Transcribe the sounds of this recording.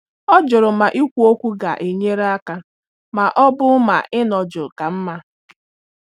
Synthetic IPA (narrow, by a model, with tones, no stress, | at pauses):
ɔ˦d͡ʒʊ˨ɾʊ˨ma˨ʔi˦kʷu˦o˦kʷu˦ɡa˨ʔe˨ɲe˦ɾa˦ka˦ | ma˨ʔɔ˦bʊ˦ma̰˨ʔɪ˦nɔ˨d͡ʒʊ˨ka˨m̩˦ma˦